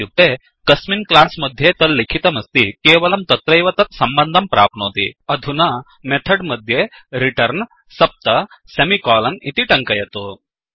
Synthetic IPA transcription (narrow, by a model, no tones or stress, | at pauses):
ut̪e | kɐsminklasməd̪ʱːjet̪əlːikʰit̪əməst̪ikeʋəlɐmt̪ət̪ɾəjʋɐt̪ɐt̪sɐmbənd̪ʱɐmpɾa̰ːp̚nəɦot̪ḭːɐd̪ʱuna | met̪ʰəɽməd̪ʱːje | ɾiʈəɾn | sɐp̚t̪ə | semikɔlənit̪iʈəŋkəjet̪o